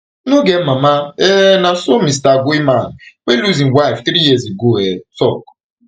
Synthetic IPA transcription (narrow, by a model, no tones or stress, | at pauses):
nʊɡemamaenasomis̬taɡuiman̩weluzĩŋ̩waɪft̪ɾijizeɡoɛtɔk